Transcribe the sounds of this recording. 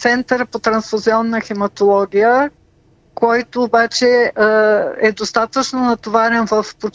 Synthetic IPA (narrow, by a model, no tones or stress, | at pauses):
t̪sɛnt̪əɾpot̪ɾɐnsfuziɔnːəxɛmɐt̪olˠɔɡʲijə | kɔjt̪oːbat͡ʃɛ | ɛd̪ost̪at̪ət͡ʃnonɐt̪ovaɾɛnvəfpo